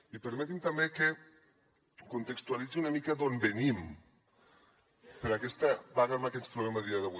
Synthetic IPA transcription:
ipəɾmet̪imt̪ambeke | kunt̪əkst̪ualid͡ziunamikad̪onbenim | pəɾakɛst̪aβaɣamakɛspɾuβlɛmaðiaðəβu

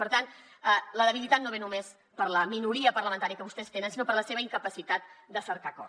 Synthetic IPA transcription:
pəɾt̪an | ələðəβ̞ilit̪at̪noβenumes | pəɾləminuɾiəpəɾləmənt̪aɾijəkəβust̪ɛst̪enənsinopəɾləseβ̞əiŋkəpəsit̪at̪̚d̪əsəɾkakɔ

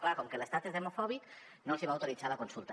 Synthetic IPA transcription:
klakoŋkelest̪at̪ezðemofɔβik | nolsiβauwt̪oɾit͡salakonsulˠt̪a

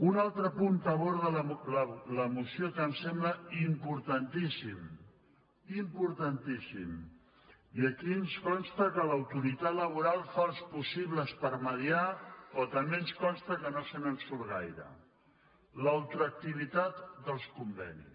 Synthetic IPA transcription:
unalˠt̪ɾəpunt̪əβoɾðəllləmusiokəmsɛmbləimpuɾt̪ənt̪isim | impuɾt̪ənt̪isḭm | iəkiənskɔnst̪əkələwt̪uɾit̪at̪ləβ̞uɾalˠfalˠspusiβləspəɾməðiaɔt̪əmbeənskɔnst̪əkənosənənsulɣa̰jɾə̰ | lawt̪ɾək̚t̪iβ̞it̪at̪d̪əlˠskumbɛ̰nḭs

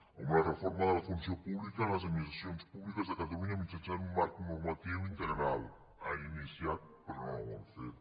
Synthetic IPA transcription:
uŋarefɔɾmaðəlafunsiopuβlikanlaz̬ad̪minist̪ɾasjonspuβlikazðakat̪aluɲamit̪asanummaɾknormat̪iwint̪əɾeɾal | ainisjat̪̚pəɾnɔwanfet̪

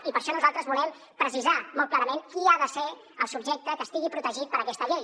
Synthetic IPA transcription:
ipəɾʃɔnuzalˠt̪ɾəzβulɛm | pɾəsizamɔlt̪̚klaɾəmeŋkiaðəse | əlˠsubʒek̚t̪əkəst̪iɣipɾut̪əʒit̪̚pəɾəkɛst̪əʎej

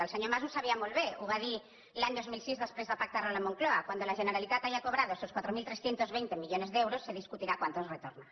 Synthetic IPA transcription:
əlseɲomazusaβiamolβeuβaði | laɲd̪ozmilˠsizðəspɾezðəpak̚t̪aɾalamoŋkloakwand̪olaʒənəɾalit̪at̪ajakoβɾaðoesoskwat̪ɾomilt̪ɾesθjent̪ozβejnt̪emiʎonezðewɾosːeðiskut̪iɾakwant̪osret̪oɾna

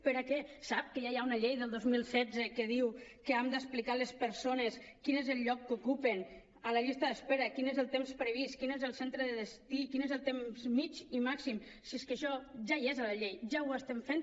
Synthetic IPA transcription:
pəɾakɛsap̚kəjajaunəʎejðəlˠd̪ozmilˠsɛd͡zəkəðiwkəamd̪əsplikalespəɾsoneskinezəlˠʎɔkːukupən | ələʎist̪əðəspeɾəkinezəlˠt̪emspɾəβ̞iskinezəlˠsent̪ɾəðəðəst̪ikinezəlˠt̪emzmit͡ʃimaksim | sieskəʃɔʒaiezələʎejʒawəst̪ɛmfen

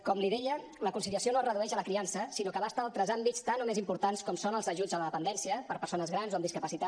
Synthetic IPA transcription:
kɔmliðɛʎə | ləkunsiliəsionoərəðuɛʃələkɾiansəsinokəβast̪aːlˠt̪ɾəzambit͡st̪anomezimpuɾt̪anskɔmsonəlˠzəʒud͡zələðəpənd̪ɛnsiəpəɾpəɾsonəzɣɾanzoəmd̪iskəpəsit̪a

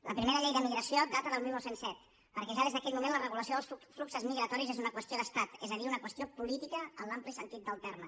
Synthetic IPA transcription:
ləpɾimeɾəʎɛjðəmiɣɾəsiod̪at̪əðəlˠmilˠnəwsensɛt̪ | pəɾkɛʒaðezðəkɛt̪mumẽnlərəɣuləs̬ioðəlˠsufluksəzmiɣɾət̪ɔɾizezunəkwəst̪ioðəst̪at̪ɛzəðiunəkwəst̪iopulit̪ikəənlamplisənt̪it̪̚d̪əlˠt̪ɛɾmə

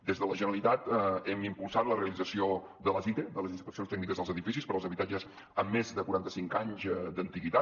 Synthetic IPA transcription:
d̪ezðələʒənəlit̪at̪ɛmimpulˠsat̪ləreəlid͡zəsio | d̪ələzit̪ed̪ələzinspəksionst̪ɛɡ̚nikəzðəlˠzəðifisispəɾːlˠzəβit̪ad͡ʒəs | əmːezðəkuɾant̪əsiŋkaɲzd̪ənt̪iɣit̪a

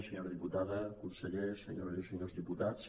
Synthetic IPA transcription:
seɲoɾðiput̪aðekunseʎesḛɲoɾseɲozðiput̪at̪s

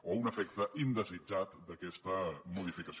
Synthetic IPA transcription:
ounəfɛk̚t̪əʔind̪əzid͡ʒat̪d̪əkɛst̪əmuð̞ifikəs

